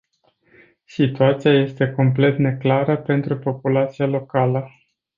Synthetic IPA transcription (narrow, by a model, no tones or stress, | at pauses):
sit̪uat̪siaje̞st̪e̞ko̞mple̞t̪ne̞klaɾəpe̞nt̪ɾupo̞pulat̪sialo̞kalə